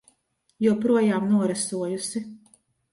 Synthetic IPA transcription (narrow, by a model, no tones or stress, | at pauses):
juɔpɾuɔjaːmnuɔɾɛsuɔjusi